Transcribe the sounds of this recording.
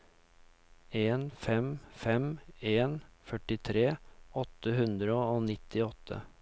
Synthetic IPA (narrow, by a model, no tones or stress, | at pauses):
eːnfɛmfɛmeːnfœʈɪt̪ʰɾeːɔt̪ːəɦʉnd̪ɾəoːnɪt̪ʰːɪɔt̪ʰːə̰